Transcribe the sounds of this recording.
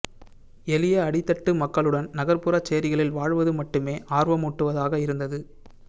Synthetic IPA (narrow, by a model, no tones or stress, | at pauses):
ɛlɪjɐɐɽɪt̪ːɐʈːɯmɐkːɐɭɯɽɐnnɐɣɐɾpɯɾat͡ʃːɛjːɐɾɪɣɐɭɪlʋaːɻʋɐðɯmɐʈːɯmeːʔaːɾʋɐmuːʈːɯʋɐðaːɣɐɪɾɯnd̪ɐðɯ